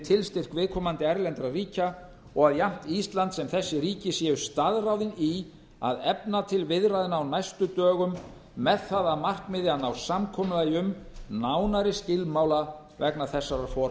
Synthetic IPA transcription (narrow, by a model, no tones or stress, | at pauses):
t̪ʰɪlst̪ɪr̥kvɪːðkʰɔːmant̪ɪajɾlɛnt̪ɾariːca | ɔɣaðjam̥t̪ist̪lant̪sɛmθɛsːɪɾiːcɪsjɛːʏst̪aðrawðɪni | a̰ðɛpnat̪ʰɪlvɪðraðɪnaːwnajst̪ʏt̪œːɣʏmː | ɛðθaðaðmar̥kmɪðjanawsamkʰɔːmʏlajʏmnawnaɾɪscɪlmawla | vɛknaθɛsːaɾafɔɾ